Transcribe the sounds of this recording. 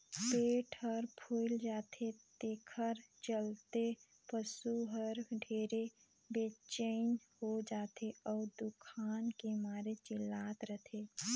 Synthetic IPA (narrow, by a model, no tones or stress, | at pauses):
peːʈʰəɾpʰoɪld͡ʒaːt̪ʰet̪ekʰəɾt͡ʃəlt̪e | pəsuɦəɾɖʱeːɾe | bet͡ʃeɪnhod͡ʒaːt̪ʰeɔːɾd̪ʊkʰaːnkemaːɾet͡ʃɪlːaːt̪ɾət̪ʰeː